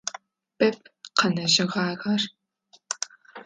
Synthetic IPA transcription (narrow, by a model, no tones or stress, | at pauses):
b̥ɐp̚ʰqɐnɐʒɪʁaːɣɐr